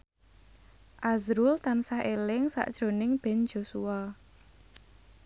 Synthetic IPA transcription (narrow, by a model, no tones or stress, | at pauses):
ʔazɾʊlt̪ansaɦelɪŋsa̰ʔd̥ʒ̥ɾo̤nɪŋb̥end͡ʒ̥o̤sua